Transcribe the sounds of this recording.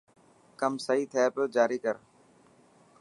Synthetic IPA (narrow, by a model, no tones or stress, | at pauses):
kəmsəɦiːt̪ʰɛːpəd͡ʒaːɾiːkəɾ